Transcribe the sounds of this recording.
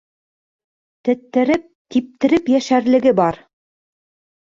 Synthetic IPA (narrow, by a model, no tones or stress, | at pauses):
t̪ɘ̆t̪ːɘ̆ɾɘp̚t̪ip̚t̪ɘ̆ɾɘpjæʃæɾlɘ̆ɡɘbɑɾ